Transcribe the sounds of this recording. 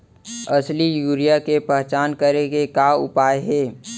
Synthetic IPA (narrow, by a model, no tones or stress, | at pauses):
ɐslijuːɾijakepɛɦt͡ʃaːnkɐɾeɡekaːʊpaːeɦɛː